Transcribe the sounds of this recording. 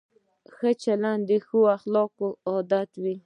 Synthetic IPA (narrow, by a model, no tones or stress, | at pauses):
xət͡ʃaland̪ixuaxlɔkoɔd̪at̪wi